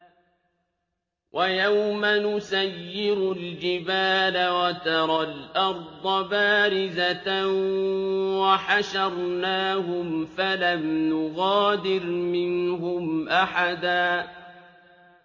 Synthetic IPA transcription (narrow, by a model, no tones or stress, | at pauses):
wʔajawmanʊsajːɪɾʊld͡ʒɪbaːlawat̪ɑɾˤɑlʔɑɾˤd̪ˤɑbaːɾɪzaa | waħaʃɑɾˤnaːɦʊmfalamnʊɣɑːd̪ɪɾmɪnhʊmʔaħad̪aː